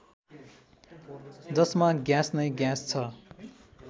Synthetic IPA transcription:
d͡zʌsmaɡjasnʌjɡjast͡sʰʌ

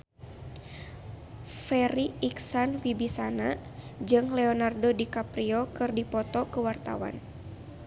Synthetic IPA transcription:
fɛɾiiksanwibisanad͡ʒɨŋlɛonardodikapɾiɔkɨrdipɔt̪ɔkəwart̪a̰wa̰n

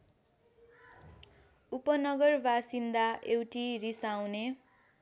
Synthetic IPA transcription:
upʌnʌɡʌrbʱasind̪aewʈirisawne

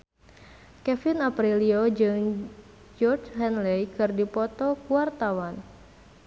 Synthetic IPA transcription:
kɛfɪnapɾiliod͡ʒɨŋ | d͡ʒɔrt͡ʃhɛnlɛjkɨrdipɔt̪ɔkuart̪awan

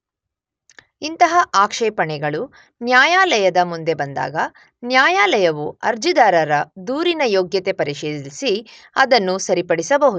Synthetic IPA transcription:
int̪ɐɦɐʔaːkʂɛːpɐɳɛɡɐɭu | njaːjaːlɐjɐd̪ɐmund̪e̞bɐnd̪a̰ːɡɐ | njaːjaːlɐjɐʋuɐɾd͡ʒid̪aːɾɐɾɐd̪uːɾinɐjoːɡjɐt̪e̞pɐɾiʃeːd̪isi | ɐd̪ɐnːusɐɾipɐɽisɐbɐɦud̪u

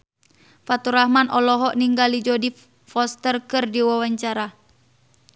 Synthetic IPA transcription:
fat̪uɾahmanɔlɔɦɔʔniŋɡalid͡ʒɔdi | fɔst̪ərkɨrdiwawaɲt͡ʃaɾa

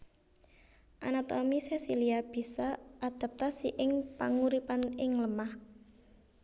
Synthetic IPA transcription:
ʔanat̪ɔmisesiliab̥i̤saad̪̥a̤p̚t̪asiʔɪŋpaŋuɾipanɪŋləmah

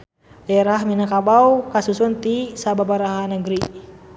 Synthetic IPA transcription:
lɛɾaɦminakabawkasusunt̪isababaɾaɦanəɡɾi

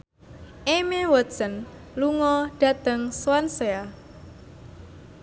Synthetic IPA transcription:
ʔemewɔsən | luŋɔɖ̥a̤t̪əŋswansea

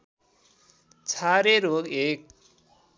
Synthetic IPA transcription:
t͡sʰaɾeɾoɡek̚

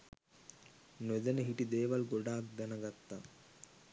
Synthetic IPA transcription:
ned̪ɐnəɦiʈid̪eːʋɐlɡoɖaːk̚d̪ɐnɐɡɐt̪ːa

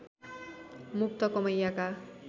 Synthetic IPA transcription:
muk̚t̪ʌkʌmʌjːaka

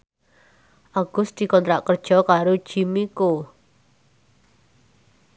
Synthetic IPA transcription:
ʔaɡ̥ʊ̤sd̪̥i̤kɔnt̪ɾaʔkərd̥ʒ̥ɔ̤kaɾod̥ʒ̥i̤miko

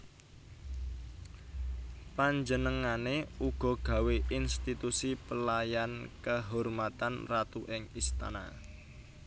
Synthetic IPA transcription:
paɲd͡ʒənəŋaneuɡ̥ɔ̤ɡ̥a̤weʔinst̪it̪usipəlajankəɦɔrmat̪anrat̪uʔɪŋist̪a̰na

